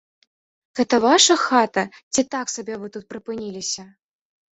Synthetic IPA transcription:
ɣɛt̪ɐvaʂɐxat̪ɐt͡sʲit̪aksabʲɛvɨt̪ut̪̚pɾɨpɨnʲilʲisʲɐ

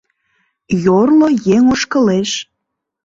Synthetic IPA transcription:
jorlojeŋoʃkəleʃ

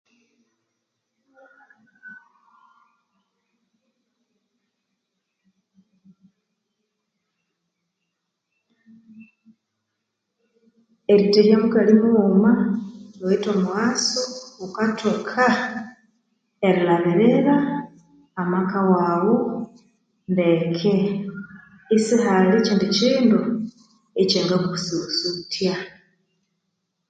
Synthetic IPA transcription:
eɾiteɾjamuɡalimumaɾoitomwwaːsoukatʰokʰa | eɾilaβiɾeɾaː | makawaːwo | ndekʰe | isihaliciːndiciːndu | eceːŋɡakuususutʰja

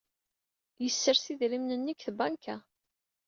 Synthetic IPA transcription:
jəsːəɾsiðɾimnənːikθbankæ

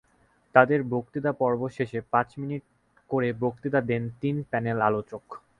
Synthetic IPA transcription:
t̪ad̪eɾbokt̪id̪apɔɾboʃeʃepãt͡ɕminiʈ̚ | koɾebokt̪id̪ad̪ent̪inpɛnelalot͡ɕok

